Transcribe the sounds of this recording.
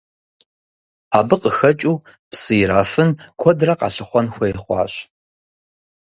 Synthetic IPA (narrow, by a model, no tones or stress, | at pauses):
aːbɨqʼəxɐt͡ʃʼuː | psɨjɾaːfɨnkʷʰɔdrɐqɑ̰ɬɨχʷɔnxʷɔjɛχʷɑ̰ːɕ